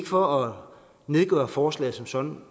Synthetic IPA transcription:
ɡ̥əfɒ̽ɒ | ne̝ðˠɡ̥œ̰ːɐfɒːslɛ̰ːɪsɒ̽msɒ̽n

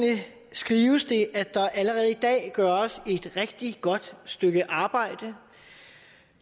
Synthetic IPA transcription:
nə | sɡ̥ʁiːʊəsd̥e̝ʔæd̥ɑ̈ʔæləʁɛːð̞̩ˠid̥ɛ̰ːɡ̥ɶɐsie̝d̥ʁeɡ̥̚d̥iɡ̥ɒ̽d̥sd̥øɡ̥əʔɑ̈ːb̥ɑ̈ɪ̰d̥ə

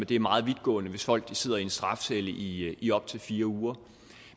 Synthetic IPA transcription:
ed̥e̝æɐmɑ̈ːð̞̩ˠʋid̥ɡ̥ɔ̰̽ːnəʋe̝sfɒ̽l̰ɡ̥d̥ise̝ð̞̰ˠɐiensd̥ʁɑ̈fseləʔiʔiɒ̽b̥̚t͡sʰe̝lfiːɐuːɐ

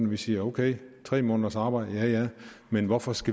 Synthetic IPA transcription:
nʋisiːɐoʊkʰeɪt͡sʰʁɛ̰ːmɔ̽ːnɐsɑ̈ːb̥ɑ̈ɪ̰d̥əjæjæmenʋɒfɒ̽sɡ̥æ

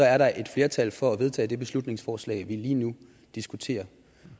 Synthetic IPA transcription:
ɒ̽æɐɾɑ̈ʔe̝d̥fle̝ːɐt͡sʰælfɒ̽æʋe̝ð̞ˠt͡sʰɛ̰ːd̥e̝b̥e̝slud̥ne̝ŋsfɒːslɛ̰ːɪʋiliːnu | d̥isɡ̥ut͡sʰe̝̰ːɐ

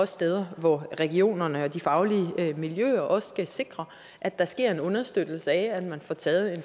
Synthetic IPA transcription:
ɒssd̥eːð̞ˠɐʋɒʁɛɡ̥io̝̰ːnɐnəɒ̽d̥ifɑ̈ʊliəmiljø̰ːɐʔɒ̽sɡ̥æse̝ɡ̥ʁɐ | ʔæd̥ːɑ̈sɡ̥e̝ɐ̰e̝nɔ̽nɐsd̥ød̥l̩səɛæd̥mænfɒt͡sʰɛːð̩ˠe̝n

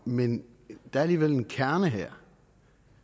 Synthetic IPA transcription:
men | d̥æɐæliːʋele̝nkʰæɐnəɦeɐ̰

